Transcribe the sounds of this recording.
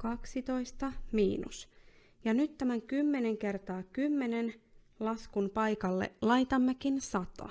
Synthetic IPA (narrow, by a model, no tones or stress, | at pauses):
kɑksit̪ojst̪ɑmḭːnṵs | jɑnyt̪tːæmæŋkymːe̞neŋke̞rt̪ɑːkymːenen | lɑskunpɑjkɑlːḛlɑjt̪ɑmːekinsɑt̪o̰